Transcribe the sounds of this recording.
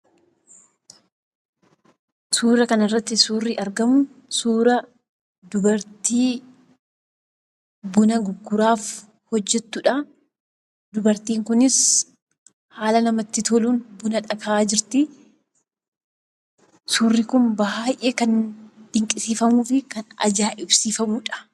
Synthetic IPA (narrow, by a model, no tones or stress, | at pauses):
suːɾɐkɐnɐrːɐt̪ːɪsuːrːɪʔɐɾɡɐmʊsuːɾɐ | d̪ʊbɐɾt̪iː | bʊnɐɡʊɡːʊɾaːf | hɔd͡ʒːɛt̪ːʊᶑɐ | d̪ʊbɐɾt̪iːŋkʊnɪs | haːlɐnɐmɐt̪ːɪt̪ʰɔluːnbʊnɐᶑɐkʰɐʔaːd͡ʒɪɾt̪ɪ | suːrːikʊnbɐɦaːjʔeːkɐnᶑ̥ɪŋkʼɪsiːfɐmuːfɪkɐnɐ̰d͡ʒaːʔɪbsiːfɐmʊᶑɐ̥